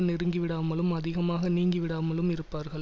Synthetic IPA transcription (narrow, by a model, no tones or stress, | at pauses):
nɪɾɯŋɡiʋɪɽaːmɐɭɯmɐðɪɣɐmaːɣɐniːŋɡiʋɪɽaːmɐɭɯmɪɾɯpːaːɾɣɐɭ